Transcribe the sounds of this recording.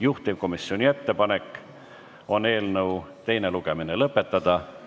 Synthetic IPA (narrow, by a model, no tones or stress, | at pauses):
juht̪ivko̞misːio̞nʲie̞t̪ːe̞pɑne̞kːˑ | o̞ne̞ːlnɤwt̪e̞jne̞luɡ̥e̞mine̞lɤpːˑe̞t̪ːɑd̪̥ɑ